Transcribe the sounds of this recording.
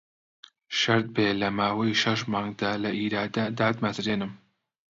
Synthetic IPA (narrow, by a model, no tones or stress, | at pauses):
ʃɐɾd̪̚beːlɐmaːwɐjʃɐʃmaːŋɡd̪alɐʔiːɾaːd̪ɐd̪aːd̪mɐt̪ɾeːnɨm